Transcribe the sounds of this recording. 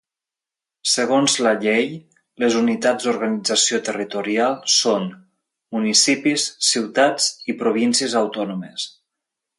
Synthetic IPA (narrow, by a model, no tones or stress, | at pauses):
səɣonzləʎej | ləzunit̪azd̪uɾɣənid͡zasiot̪ərit̪uɾialˠson | munisipisːiwt̪ad͡zipɾuβinsiəzawt̪ɔnuməs